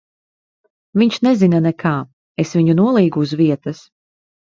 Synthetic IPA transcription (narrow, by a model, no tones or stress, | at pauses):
viɲʃnɛzinanɛkʰaː | esviɲunuɔlˠiːɡuːzviɛt̪ɐs